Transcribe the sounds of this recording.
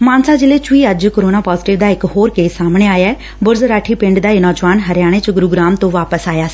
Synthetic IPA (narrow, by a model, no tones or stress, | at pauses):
mãːnsaːd͡ʒɪleːt͡ʃʊiːəd͡ʒkəɾoːnaːpaːzɪʈɪʋd̪aːɪkɦoːɾkeːsːaːmɳeːaːjaːɛː | bʊɾzɾaːʈʰiːpɪ̃ɳɖd̪aːeːnɔːd͡ʒʋaːnɦəɾɪjaːɽ̃eːt͡ʃɡʊɾuːɡɾaːmt̪õːʋaːpəsaːjaː